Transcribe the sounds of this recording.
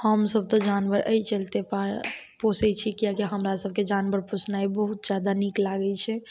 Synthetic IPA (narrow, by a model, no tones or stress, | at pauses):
həmsəb̚t̪ɔ̃d͡ʒanʋəɾə̰jt͡ʃəlt̪epaposɛt͡ʃʰikijakiɦəmɾasəb̚ʱked͡ʒanbəɾposnaibəɦut̪̚d͡ʒjad̪aniklaɡɛt͡ʃʰɛ